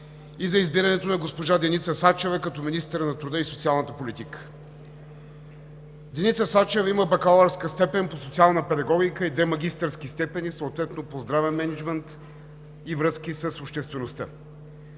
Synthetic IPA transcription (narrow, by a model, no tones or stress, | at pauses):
izɐizbiɾɐnɛt̪onɐɡospoʒad̪ɛnit̪səsat͡ʃɛvɛkɐt̪ɔminist̪ɛɾənɐt̪ɾud̪əisot̪sialˠnət̪əpolit̪ikə̥ | d̪ɛnit̪səsat͡ʃɛviməbɐkalˠɐɾskəst̪ɛpɛnposot̪sialˠnəpɛd̪ɐɡɔɡʲikəid̪vɛmɐɡ̟ʲist̪əɾsk̟ist̪ɛpɛnisəot̪vɛt̪nopozd̪ɾavɛnmɛnɛd͡ʒmɛnt̪ | ivɾɤskʲisəsopʃt̪ɛst̪vɛnost̪ə